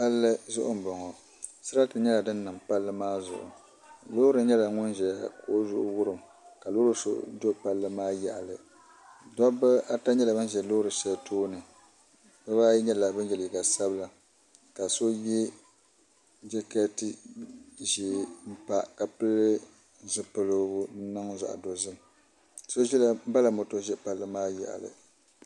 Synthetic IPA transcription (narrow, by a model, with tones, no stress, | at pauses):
pa˦lːɨ˦zʊ˦ʔʊ˦m̩˨bɔ˨ŋɔ˨ | sɨ˦ɾa˦tɨ˨ɲɛ˦la˨dɨ˦nː˦ɨ˨mpa˦lːɨ˦maː˦zʊ̰˨ʔʊ̰˨ | loː˦ɾɨ˨ɲɛ˦la˨ŋʊ˦nʒɛ˨a˨ko˨˦zʊ˦ʔʊ˦wʊ˦ɾɨ˨m | ka˨loː˦ɾɨ˦so̰˦do˦pa˦lːɨ˦maː˦jɛ˨ʔa˨lɨ˨ | dɔ˦bɨ˦a˦ta˦ɲɛ˦la˨bɨ˦n˦ʒɛ˨loː˦ɾɨ˨ʃɛ˦tʰoː˦nɨ˨ | bɨ˦baː˦ji˦ɲɛ˦la˨bɨ˦jɛ˨li˨ɡa˨sa˦bɨ˦la˨ | ka˨so˦jɛ˦ | d͡ʒɛ˦ka˦tɨ˦ | ʒɛ˨m̩˦pa˨ka˨pɨ˦lːɨ˦ | zɨ˦pɨ˨lo˦bʊ˦n̩˦nɨ˦ŋza̰˨ʔdo˨zɨ˦m | so˦ʒɛ˦la˦ba˦la˨mo˨to˦ʒɛ˦pa˦lːɨ˦maː˦jɛ̰˨ʔa̰˨lɨ̰˨